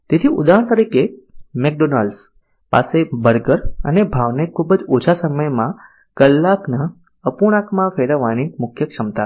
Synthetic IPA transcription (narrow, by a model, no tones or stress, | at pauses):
t̪et̪ʰiṵd̪aɦəɳ̃t̪əɾikemek̚ɖonalɖs | pa̰sebəɾɡəɾə̰nebʱaʋnekʰubəd͡ʒot͡ʃʰasəməjmã | kəlːakna | əpuɽ̃akmãfeɽəʋanimʊkʰjəkʃəmt̪a